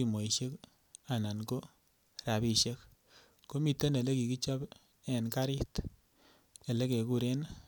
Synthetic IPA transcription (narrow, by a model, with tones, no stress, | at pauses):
i˨mo˨i˨ʃe˦k | a˨na˨nko˦ | ɾa˨bi˦ʃe˦k | ko˦mi˨te˦ne˨le˦ki˨ki˦t͡ʃɔ˦b | ɛ˨nka˦ɾɪ˦t | e˨le˦ke˨ku˦ɾe˦n